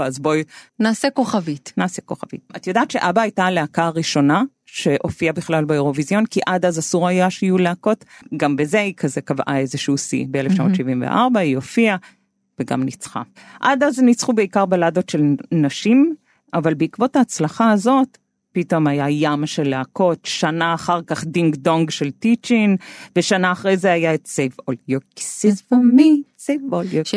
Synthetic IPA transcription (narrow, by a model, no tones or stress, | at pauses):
azbonaːsekoχavitnaːseko̞χavḭt̚at̪jodaːtʃe̞ʔabaːjtaleakaʁiʃo̞na | ʃe̞ʔo̞fiabiχlalbeoʁo̞vizjo̞nkiʔad̪azasuʁajaʃeijuleako̞tɡambezeikʰazekavʔa̰e̞zeʃusḭbeeleft͡ʃamotʃivimvḛʔaʁbaio̞fia | veɡa̰mnit͡sχa̰ | ʔadaznit͡sχubeikaʁbalado̞tʃe̞lnaʃim | ʔavalbeikvo̞thaːt͡slaχaazo̞t | pito̞majajamʃeleako̞tʃanaːχaʁkaχdiŋɡdoŋɡʃe̞ltit͡ʃinveʃanaːχʁejzeajaetsejfoljoksmisefolo